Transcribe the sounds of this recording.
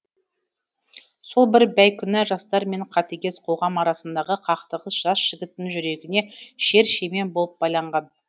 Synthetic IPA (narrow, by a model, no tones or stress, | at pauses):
so̞lˠbɪɾbæjkʲʰʏnɪʒɑst̪ɑɾme̞ɴqʰɑt̪eɡʲe̞sqʰo̞ʁɑmɑɾɑsənd̪ɑʁəqʰɑqt̪əʁəsʒ̥ɑsʒ̥ɪɡʲɪt̪ːɪŋʒʏɾe̞ɡʲɪne̞ʃe̞ɾʃe̞me̞nbo̞lˠəp̚b̥ɑjlˠɑɴʁɑn